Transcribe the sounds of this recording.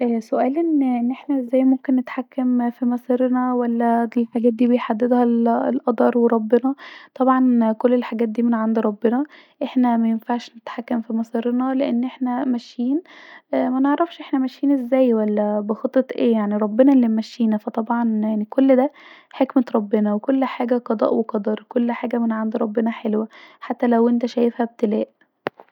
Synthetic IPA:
ʔæːsoʔæːlʔenːʔenːʔeħnæʔezːæːjmomkenːet̪ħakːæmfimɑsˤiːɾnæwælːæelħaɡæːt̪̚d̪iːbejħad̪ːed̪hællʔɑd̪ˤɑːɾˤweɾˤɑbːenɑt̪ˤɑbʕɑnkolːelħaɡæːt̪̚d̪iːmenʕand̪iɾˤɑbːenɑ | ʔeħnæmæjenfaʕʃnet̪ħakːæmfimɑsˤiːɾnɑleʔenːʔeħnæmæʃːiːn | mæneʕɾˤɑfʃʔeħnæmæʃːiːnʔezːæːjwælːæbexɑt̪ˤːɑt̪ˤʔeːjaʕniɾˤɑbːenɑʔlːimæʃːiːnæfæt̪ˤɑbʕɑnjaʕnikolːd̪æ | ħekmet̪ɾˤɑbːenɑwekolːħaːɡæqɑd̪ˤɑ̰ːʔweqɑd̪ˤɑɾˤkolːħaːɡæmenʕand̪iɾˤɑbːenɑħelwæħat̪ːælæwʔent̪æʃæjefhæb̚t̪elæːʔ

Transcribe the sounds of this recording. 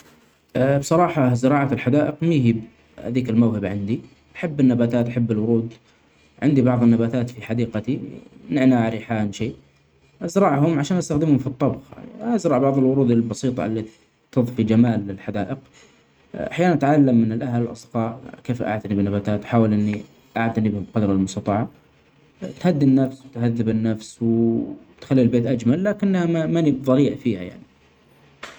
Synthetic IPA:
bsˤɑɾˤɑːħɑzɪɾˤɑːʕalħad̪aːʔɪqmiːɦib | ha̰d̪iːkɪlmawhɪbʕɪnd̪i | ʔaħabːɪnːabaːt̪aːt̪ʔaħabːɪlwʊɾuːd̪ | ʕɪnd̪ibɑʕðˤɪnːabaːt̪aːt̪fiħad̪iːqat̪inɪʕnaʕɾɪħaːnʃeːʔ | ʔazɾˤɑʕɦʊmʕaʃaːnʔast̪axd̪ɪmhʊmfit̪ˤːɑbxʔazɾˤɑʕbɑʕðˤɪlwʊɾuːd̪ɪlbɑsˤiːt̪ˤɑ̰ɪ̰lːi | t̪ɨðˤfid͡ʒamaːlɪlħad̪aːʔɪq | ʔaħjaːnanʔat̪ʕalːamːɪnɪlʔaɦalɪlʔɑ̰sˤd̪̥qɑːʕkeːfʔa̰ʕt̪anɪbnːabat̪aːt̪ħaːwalʔɪnːi | ʔaʕt̪anɪbhʊbqɑd̪ɾˤɑlmʊsˤt̪ɑt̪ˤɑʕɑ | t̪had̪ːinːafswt̪haðːɪbɪnːafsw | t̪xalːilbeːt̪ʔad͡ʒmalːaːkɪnːhamamanibðˤɑliːʔfiːha̰ja̰ʕni

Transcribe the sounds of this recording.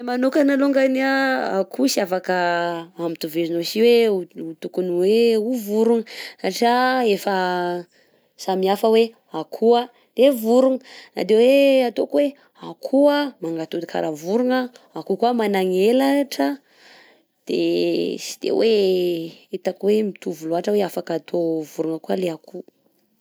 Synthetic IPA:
emanukanaluŋɡaniaa̰kʰusiafakəamit̪uvezinosiweuut̪ukuniweuvuɾuŋəsaʈ͡ʂaefə | samiafəwe | akʰua | d̪evuɾuŋəna̰d̪eweat̪okuwe | akʰuəmaŋɡat̪ud̪ikʰa̰ɾʔavuɾuŋəakukuamanaŋelaʈ͡ʂə | d̪̥ḛsi̥d̪̥ḛwʔe | it̪akwemit̪uvuloɦaʈ͡ʂəweafakat̪ʰovuɾuŋəkualeakʰu

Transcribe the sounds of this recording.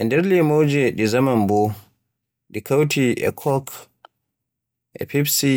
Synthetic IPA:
ʔɛndɛɾlimowd͡ʒɛɗizamambɔ | ɗikʰawtiʔɛ̰kʰɔk | ʔɛ̰pibsi

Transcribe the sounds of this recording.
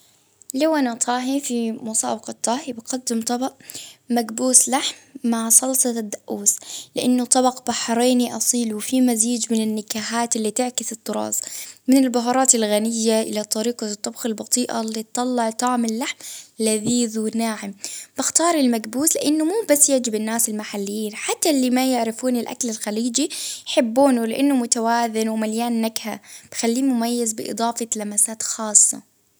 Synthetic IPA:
lawʔanat̪ˤʰɑːɦifimʊsˤɑ̰ːbɪqɑt̪ˤːɑːhibɪqad̪ːɪmt̪ˤɑbɑʔmaɡbuːslaħmːaʕsˤɑlsˤɑd̪ːaʔuːslɪʔanːʊt̪ˤːɑbɑqb̥aħɾˤeːniʔɑsˤiːlwɪfimaziːd͡ʒmɪnɪnːɪkaːɦaːt̪ɪlːiːt̪ɪʕkɪsɨt̪ˤːʊɾˤɑ̰ːzmɪnɪlbaɦɑɾˤɑːt̪alɣanɪjːaʔɪ̰lat̪ˤːɑɾiːqɑt̪ˤːɑbxɪlbɑt̪ˤiːʔa̰lːit̪t̪ˤːɑlːɑʕt̪ˤɑːʕmɪlːaħmlaðiːðuːnaːʕɪmb̥ɪxt̪ɑːɾˤɪlmaɡbuːslɪʔɪnːʊmuːbasːjaʕd͡ʒɪbɪnːaːsɪlmaħalːɪjiːnħat̪ːalːimajɪʕɾɪfuːnɪlʔa̰klɪlxaliːd͡ʒijħɪbːuːnulɪʔanːʊmʊt̪awaːðɪnwmaljaːnːaɡha̰b̥ɪxalːiːmʊmajːɪzbɪ̰ʔɨ̰d̪ˤɑːfɑlamasaːt̪xɑːsˤːɑ̰

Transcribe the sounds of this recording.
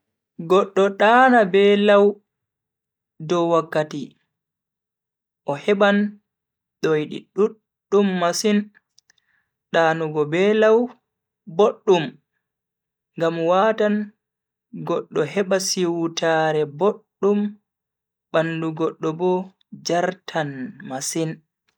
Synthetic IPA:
ɡɔɗːɔɗaːnabɛlaw | dɔwakːati | ʔɔhɛɓan | ɗojɗḭɗuɗː | umːasin | ɗaːnuɡɔbɛlaw | boɗːum | ŋɡamwatan | ɡɔɗːɔɦɛɓasiwtaɾɛboɗːum | ɓanduɡɔɗːɔbɔ | d͡ʒaɾtʰanmasin

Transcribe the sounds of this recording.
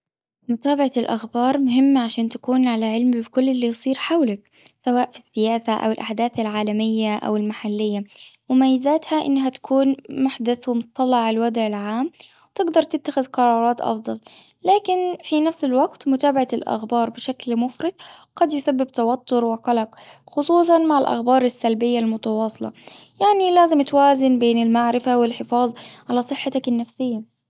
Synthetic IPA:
mʊt̪aːbaʕalʔaxbɑːɾˤmʊɦɪmːaʕaʃaːnt̪ḁkuːnʕalaʕɪlmbɪkʊlːɪlːijsˤiːɾħawlak̚ | sawaːʔfisːɪjaːsaʔa̰wɪlʔaħd̪aːθalʕaːlamɪjːaʔa̰wɪlmaħalːɪjːamɪmaːjːɪzaːt̪haʔɪ̰nːɦat̪ḁkʰuːnmʊħd̪aθwɪmʊt̪ɑt̪ˤːɑlːɪʕalwad̪ʕɪlʕaːm | wt̪ɪɡd̪ɑɾˤt̪ɪt̪ːaxɪðqɑɾˤɑːɾˤɑːt̪ʔɑ̰fd̪ˤɑl | laːkɪnfinafsɪlwaɡt̪mʊt̪aːbaʕalʔa̰xbɑːɾˤbɪʃaklmʊfɾɪd̪̚qɑd̪jʊsabːɪbt̪awat̪ːʊɾwɪqɑlaqxʊsˤuːs̬ˤɑnmaʕɪlʔa̰xbɑːɾˤɪsːalbɪjːalmʊt̪ɑwɑːsˤɨlɑ̰jaʕnilaːzɪmt̪waːzɪnbeːnɪlmaʕɾɪfawɪlħɪfɑːðˤʕalasˤɨħːat̪akɪnːafsɪjːa

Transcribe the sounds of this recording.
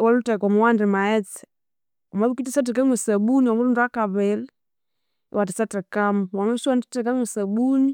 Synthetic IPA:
walutakɔmawandimaɛt͡s | amabkitisat̬ikaŋwesabunwaŋɡuɾundakaβɛl | watisatɾikamwamaisuwanditikaŋesabun

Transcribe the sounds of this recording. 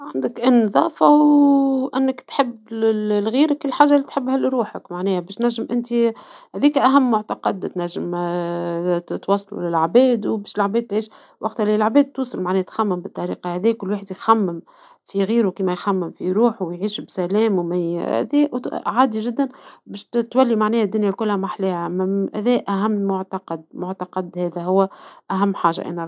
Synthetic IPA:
ʕand̪əkʔɪnːðˤɑ̰ːfɑwʔɪnːəkt̪ħɪbːlɣiːɾkːɪlːħaːʒːalːit̪ħɪbːhælɾuːħəkmaʕnɛːhæbɛːʃt̪næʒːɪmʔɪnt̪ihæðiːkʔæɦæmːʊʕt̪ɑqɑd̪t̪næʒːəm | t̪wɑsˤːɑlṵlɪlʕbɛːd̪wbɛːʃɪlʕbɛːd̪̚t̪ʕiːʃ | wʔɑqt̪ælilʕbɛːd̪̚t̪ːuːsˤɑlmaʕnɛːt̪xæmːɪmbət̪ˤːɑɾḭːqɑhæðiːkʊlːwaːħəd̪jxæmːɪm | fiɣiːɾukiːmɛjxæmːɪmfijɾuːħuwjʕiːʃbsælɛːmwmæ̰ðɛʕaːd̪iʒɪd̪ːænbɛːʃt̪wælːimaʕnɛːhæd̪ːʊnjælkʊlhæmaħlɛːhæmæhæ̰ðɛːʔæɦæmːʊʕt̪ɑqɑd̪mʊʕt̪ɑqɑd̪hɛːðæɦʊwːæʔæɦæmːħaːʒa̰ʔæ̰ːnæ

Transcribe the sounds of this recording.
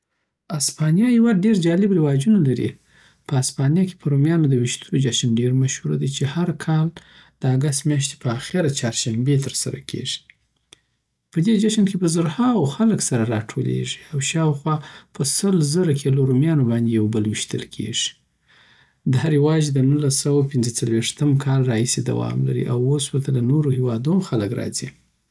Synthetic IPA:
aspɑnijɑjawaɖeɾd͡ʒɑlɪbɾɪwɑd͡ʒunalaɾḭ | pəaspɑnjɑke̥pʰəɾumjɑnod̪əwɪʃt̪od͡ʒaʃənɖeɾmaʃhuɾa̰d̪ajt͡ʃehaɾkʰɑl | d̪̥əaɡast̪mjɑʃ̬t̪e̥pʰəaxɪɾat͡ʃɑɾʃambet̪əɾsa̰ɾa̰kʰḛʒi̥ | pəd̪ed͡ʒaʃənkepəzəɾhɑwxaləksaɾaɾɑʈʰolḛʒi̥awʃɑwxwɑpʰəsəlzəɾakʰeloɾumjɑnobɑnd̪ejawbəlwɪʃt̪ə̰lkʰḛʐi̥ | d̪əɦaɾɪwɑd͡ʒd̪ənulasawawpɪnzət͡salweʂt̪əmkʰɑlɾɑhised̪a̰wɑ̰mla̰ɾḭʔawoswəɾt̪alanoɾohewɑd̪uxaləkɾɑ̰zi

